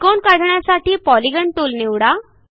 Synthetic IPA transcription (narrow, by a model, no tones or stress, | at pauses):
konkaɽʱɳjasaʈiːpɔliɡəɳʈuːlniʋɽa